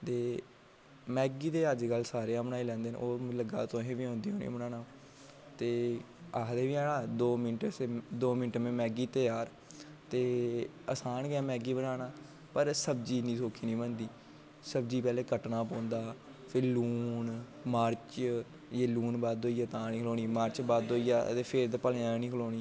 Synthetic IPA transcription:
t̪eː | mɛːɡiːt̪eːəd͡ʒkəlːsaːɾeːãːmnaːilɛ̃ːnd̪eːn̰ːoːləɡa̰ːt̪õɦẽːʋiːõːnd̪iːɦoːnḭːbənaːnãː | t̪eː | aːd̪eːʋiːaːɽãːd̪oːmɪnʈseːd̪oːmɪnʈmẽːmɛːɡiːt̪əjaːɾ | t̪eː | əsaːnɡɛːmɛːɡiːbənaːnaː | pəɾsəbd͡ʒiːnĩːsoːkʰiːnĩːbənd̪iː | səbd͡ʒiːpɛːleːkəʈnaːpɔ̃ːnd̪aː | pʰɪɾluːn | maːɾt͡ʃ | jeːluːnbaːd̪oːijaːt̪ãːnĩːkʰloːñiːmaːɾt͡ʃbaːd̪oːiːja̰ːt̪eːpʰeɾd̪aːpəlẽːãːnĩːkʰəloːniː

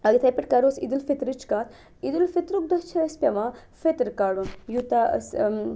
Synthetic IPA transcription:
aːɡit̪ʰɐjpeʈ̚kaɾoːsḭd̪ulfet̪ɾit͡ʃkaːt̪ʰ | id̪ulfit̪ɾuk̚d̪ɐt͡ʃʰɐɐspjɐma | fet̪ɾkaːɽunjut̪as

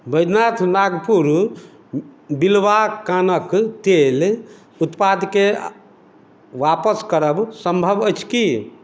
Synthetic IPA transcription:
bəjd̪nat̪ʰnaɡpuɾ | bilʋakanəkt̪el | ut̪pad̪ke | ʋapəskəɾəbsəmbʱəbəjt͡ʃʰki

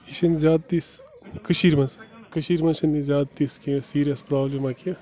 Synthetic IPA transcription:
iʃɐnzʲjaːd̪̚t̪is | kəʃiɾmɐskəʃiɾmɐʃɐnːizjaːd̪̚t̪iskisiːɾiɐspɾaːblimakija

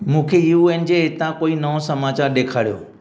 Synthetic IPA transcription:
mũːkʰejuuːeːnd͡ʑeɦɪt̪ãkoːinɐʋosɐmaːt͡ɕaːɾɗeːkʰaːɽijo̰ː

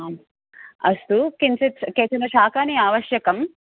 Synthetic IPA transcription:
ɐst̪ukint͡ʃit̪keːt͡ʃɐnɐʃaːkaːniaːʋɐʃjɐkɐm

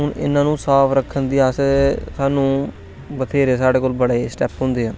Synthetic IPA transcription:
ɦʊnɪ̰nãːnũːsaːpʰɾəkʰːənd̪iːaːsesaːnũː | bət̪ʰeːɾeːs̬aːɽeːkoːlbəɽeːsʈɛːpɦʊ̃ːnd̪eːãː

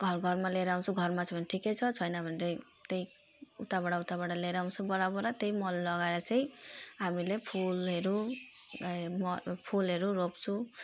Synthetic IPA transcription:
ɡʱʌɾɡʱʌɾmaleɾaũt͡sʰuɡʱʌɾmat͡sʌbʌnʈʰikejt͡sʰʌt͡sʰʌjnabʱʌneɾej | t̪ej | ut̪abaɽaut̪abaɽaleɾaũnt͡sʰubʌɾabɔɾat̪ejmɔllʌɡaeɾat͡sʌj̃ɦamilepʰulɦeɾu | mpʰulɦeɾuɾopt͡sʰũ

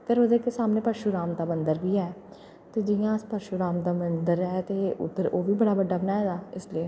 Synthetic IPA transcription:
pʰɪɾəd̪eːkesaːmneːpəɾʃuɾaːmd̪aːmənd̪əɾbiːɛː | t̪eːd͡ʒɪjãːspəɾʃuɾaːmd̪aːmənd̪əɾɦɛːt̪eːʊ̰t̪ːəɾoːʋiːbəɽaːbəɖaːbənaːed̪aːɪslieː

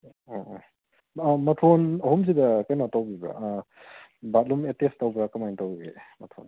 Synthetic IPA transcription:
mɐtʰonɐɦums̬idɐkajnatawbibɾa̰ | bat̚lumetestawbɾakɐmajntawɡḛmɐtʰo̰n

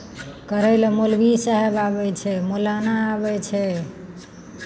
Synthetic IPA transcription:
kəɾɛlmolbisaɦebabɛt͡ʃʰɛmolanaːbɛt͡ʃʰɛ

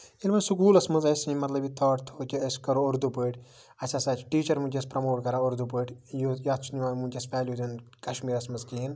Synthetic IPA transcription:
ilmɐnsuk̬uːlɐsmɐzɐsĩmɐt̪lɐbit̪ʰɐːʈt̪ʰoːt͡ʃiɐskɐɾooɾd̪upəːʈ | ɐt͡ʃʰasaːt͡ʃʰʈiːt͡ʃɐɾmut͡ʃʲespɾɐmoːʈ̚kɐɾaːoɾd̪upəːʈjojaːt̪t͡ʃʰuniʋaːmũnt͡ʃʲɐspaːlʲjuːd̪in | kɐʃmiːɾɐsmɐzkiːn

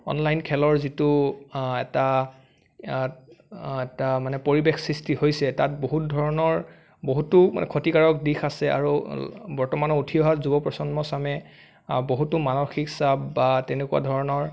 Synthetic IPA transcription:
ɔ̰nlajnkʰɛlɔɹzituɛ̰ta | ɛtamanɛpoɹibexsɹistihojsɛtat̚boɦut̚dʱɔɹɔnɔɹ | boɦutʊma̰nɛ̰kʰotikaɹɔk̚dixasɛa̰ɹubɔɹtɔmanɔutʰiɔɦatzubɔpɹɔsɔnmɔsamɛ | boɦutumanɔxiksabːatɛnekuwa̰dʱɔɹɔnɔɹ

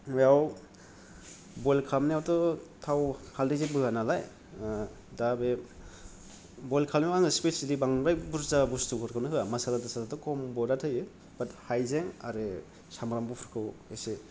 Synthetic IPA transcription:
ɔjaw | bɔjlkʰamniawtɔtʰawhaldizebɯɦanalaj | dabe | bɔjlkʰalmiaŋɯspisilibaŋɾajbuɾzabustukʰɯɾkʰawnɯɦɯjamasalatasalatɔkɔmbɔdatʰɯjɯ | b̥athajzeŋa̰ɾɯ | samɾambɔpʰɔɾkʰɯwese

